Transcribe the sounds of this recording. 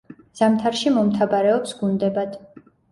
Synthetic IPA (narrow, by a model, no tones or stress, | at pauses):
z̥amt̪ʰaɾʃimɔmt̪ʰabaɾɛɔpsɡund̪ɛbad̪̥